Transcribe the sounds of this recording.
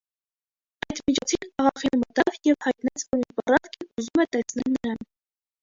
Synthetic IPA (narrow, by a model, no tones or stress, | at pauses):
ɑjt̪mit͡ʃʰɔt͡sʰinɑʁɑχinmət̪ɑvjɛvhɑjt̪nɑt͡sʰvɔɾinbɑrɑvkʰɛuzumɛt̪ɛsnɛlnəɾɑn